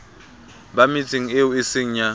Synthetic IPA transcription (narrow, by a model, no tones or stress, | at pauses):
bamit͡sʰʼiŋ̩eʊɪsɪŋ̩ɲa